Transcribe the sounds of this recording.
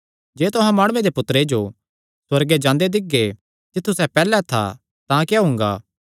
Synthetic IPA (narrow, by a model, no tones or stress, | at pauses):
d͡ʒeːt̪ʊɦãmaːɽʊʋed̪epʊt̪ːəɾed͡ʒo | swɐɾɡed͡ʒãːnd̪ed̪ɪɡːe | t̪ɪt̪ʰːusɛpɛːlɛt̪ʰa̰ | t̪ãkjaɦʊ̃ŋ̆ɡa̰ː